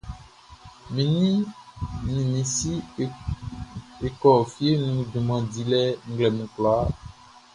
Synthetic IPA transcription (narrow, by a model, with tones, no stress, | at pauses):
mĩ˨nĩ˦ | nĩ˨mĩ˨si˦ | e˨kɔ˨fi˦e˦nũ˨dũ˨mã˨di˨lɛ˦ŋ̩˦ɡlɛ˨mũ˨klɔ˨a˦